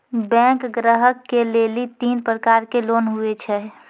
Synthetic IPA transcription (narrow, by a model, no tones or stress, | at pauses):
bɛ̃kɡɾəɦəkːelelit̪iːnpɾəkaːɾkeloːnɦuet͡ʃʰɛ